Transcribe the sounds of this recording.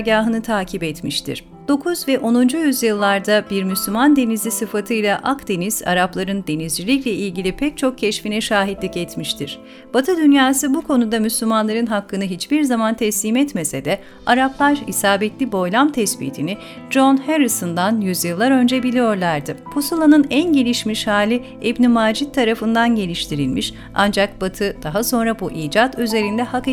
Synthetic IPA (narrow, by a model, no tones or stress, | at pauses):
ɟaːɦɯnɯt̪ʰaːcʰibɛt̪miʃt̪ʰḭɾ̥ | d̪̥o̞kʰuzvɛʔo̞nund͡ʒujyzjɯlˠːaɾd̪abiɾmyslʲymand̪e̞nizlʲisɯfat̪ʰɯjlˠaʔakd̪e̞niz̥a̰ɾaplˠaɾɯnd̪e̞nizd͡ʒilʲicʲlʲɛilʲɟilʲipʰɛc̚t͡ʃʰo̞k̚cʰɛʃfinɛʃaːɦid̪lʲicɛt̪miʃt̪ʰiɾ̥ | b̥at̪ʰɯd̪ynjaːsɯbukʰo̞nud̪amyslʲymanlˠaɾɯnɦakːɯnɯɦit͡ʃbiɾzamant̪ʰɛslʲiːmɛt̪mesed̪ɛ | aɾaplˠaɾḭsaːbɛt̪lʲibo̞jlʲˠamt̪ʰɛspḭːt̪ʰinɪ | d͡ʒo̞nheɾisɯnd̪anjyzjɯlˠːaɾø̞nd͡ʒɛbilʲijo̞ɾlˠaɾd̪ɯpʰosulˠanɯnænɟe̞lʲiʃmiʃhaːlʲi | ɛbnimaːd͡ʒit̪ʰːaɾafɯnd̪anɟe̞lʲiʃt̪ʰiɾilʲmiʃ | a̰nd͡ʒak̚b̥at̪ʰɯd̪̥aɦaso̞nɾabuʔiːd͡ʒat̪yze̞ɾind̪ɛhak